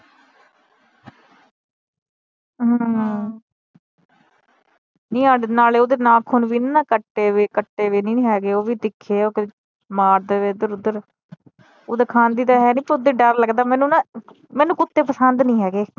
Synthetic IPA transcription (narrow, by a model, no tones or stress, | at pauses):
ɦə̃ | nĩːaːɖnaːleːod̪eːnãːkʰʊnʋiːɪnːãːkəʈːeːʋeːkəʈːeːʋeːnĩːɦɛːɡeːoːʋiːd̪ɪkʰːeːoːke | maːɾd̪eːʋeːʊd̪əɾʊd̪əɾ | oːd̪əkʰãːnd̪iːd̪aːɦɛːnĩːpəɾʊd̪eːɖəɾləɡd̪aːmɛ̃ːnũːna | mɛːnũːkʊt̪ːeːpəsənd̪nĩːɦɛːɡeː